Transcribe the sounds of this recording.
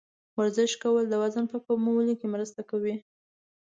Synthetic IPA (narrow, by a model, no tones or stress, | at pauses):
waɾzɪʃkawəld̪əwazənpəkomowəlikemɾəst̪akawi